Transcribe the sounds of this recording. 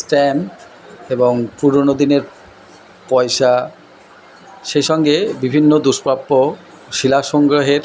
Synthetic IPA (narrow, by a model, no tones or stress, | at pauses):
sʈɛn | eboŋpuɾonod̪ineɾ | pɔjʃa | ʃejʃɔŋɡebibʱinːod̪uʃpɾapːo | ʃilaʃɔŋɡɾoɦeɾ